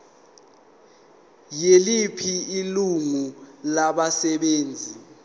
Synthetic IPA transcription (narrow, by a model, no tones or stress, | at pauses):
jelipʰiiluŋulaɓasɛɓeːnd͡zʱi